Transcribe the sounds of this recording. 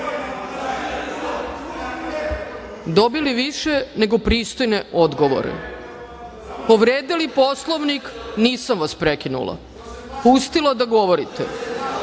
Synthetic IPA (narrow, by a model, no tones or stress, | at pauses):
d̪obiliʋiʃene̞ɡopɾiːst̪o̞jneʔod̪ɡoʋo̰ɾḛ | poʋɾeːd̪iliposlˠoʋnikniːsamʋaspɾekinṵlˠa̰ | pust̪ilˠad̪aɡoʋoɾit̪ɛ̰